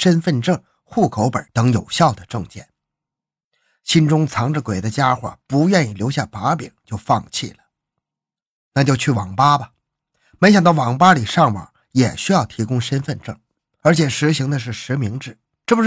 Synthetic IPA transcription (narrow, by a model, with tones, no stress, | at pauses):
ʂə˥nfə˥˧nʈ͡ʂɤ˥˩ŋ | xu˥˩kʰo˧˥ʊpə˞˨˩˥t̪ɤ˧˥ŋjo˨˩ʊɕjɑ˥˩ʊd̪ə˩ʈ͡ʂɤ˥˧ŋt͡ɕjɛ̰˥˩n | ɕi˥nʈ͡ʂʊ˥ŋt͡sʰɑ˧˥ŋʈ͡ʂə˥˧kwe˨˩ɪd̪ə˦t͡ɕja˥xwa̰˥˩pu˧˥ɥɛ˥˧ni˥˩ljo˧˥ɕja˥˩pa˧˥pḭ˨˩˦ŋt͡ɕjo˥˧ʊfɑ˥˧ŋt͡ɕʰḭ˥˩lə˩ | na˥˧t͡ɕjo˥˧ʊt͡ɕʰy˥˩wɑ˨˩ŋpa˥bɐ˨ | me˧˥ɕ̬ɑ˨˩ŋt̪̬ɑ˥˩ʊwɑ˨˥˩ŋpa˥li˨˩ʂɑ˥˩ŋwə̰˨˩˦ | jɛ˨˩ɕy˥jɑ˥˩ʊt̪ʰi˧˥kʊ˥ŋʂə˥nfə˥˧nʈ͡ʂɤ˥˩ŋ | ə˞˧˥t͡ɕʰjɛ˨˩ʂɻ̩˧˥ɕi˧˥ŋd̪ə˧ʂ̬ɻ̩˥˩ʂɻ̩˧˥mi˧˥ŋʈ͡ʂɻ̩˥˩ | ʈ͡ʂɤ˥˩bu˧˥